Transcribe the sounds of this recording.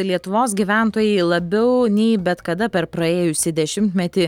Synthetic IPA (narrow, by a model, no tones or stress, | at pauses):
lʲiɛt̪ʊʋoːs̬ɡʲiʋʲænt̪oːjɛɪlˠɐbʲɛʊnʲɛɪbʲɛt̪kɐd̪ɐpʲɛɾpɾɐeːjʊsʲɪd̪ʲɛʃʲɪmt̪ʲmʲɛt̪ʲɪ